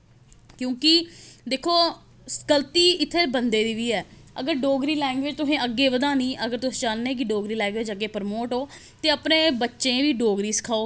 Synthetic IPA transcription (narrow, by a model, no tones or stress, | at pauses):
kjõːkɪd̪eːkʰoː | skəlt̪iːɪt̪ʰːeːbənd̪eːd̪iːʋiːɛːə̰ɡəɾɖoːɡɾiːlɛ̃ːŋɡʋeːd͡ʒt̪ʊsẽːəɡːeːʋəd̪aːniːəɡəɾt̪ʊsẽːd͡ʒaːnːeːk̬ɪɖoːɡɾiːlɛ̃ːŋɡʋeːd͡ʒəɡːeːpəɾmoːʈɦoː | t̪eːəpnẽːbətːʃẽːʋiːɖoːɡɾiːsɪ̥kʰaːoː